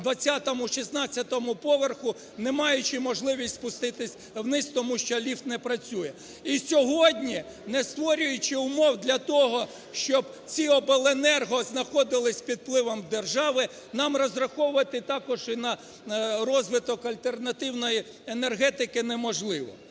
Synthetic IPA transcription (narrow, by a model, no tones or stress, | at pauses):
d̪ʋɐt͡sʲːɑt̪ɔmʊʃisnɑt͡sʲːɐt̪ɔmʊpɔʋerxʊ | nɛmɑjʊt͡ʃɪmɔʒlˠɪʋʲisʲtʲspʊst̪ɪt̪ɪsʲ | wnɪsʲt̪ɔmuʃt͡ʃɔlʲift̪nɛpɾɐt͡sʲujɛ | isʲɔɦɔdʲnʲi | nɛst̪ʋɔɾʲʊjʊt͡ʃɪʊmɔwd̪lʲɐt̪ɔɦɔ | ʃt͡ʃɔb | t͡sʲiɔpelˠenɛrɦɔznɐxɔd̪ɪlˠɪsʲpʲid̪̚plˠɪʋɔmd̪erʒɑʋɪ | nɑmrɔzrɐxɔʊʋɐt̪ɪt̪ɑkɔʒinɐ | ɾɔzʋɪt̪ɔkɐlʲt̪ernɐt̪ɪwnɔji | enerɦɛt̪ɪkɪnɛmɔʒlˠɪʋɔ̰